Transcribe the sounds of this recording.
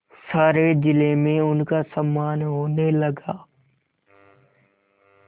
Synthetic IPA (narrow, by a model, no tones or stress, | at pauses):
saːɾed͡ʒɪlemẽʊnkasɐmːaːnɦoːnelɐɡaː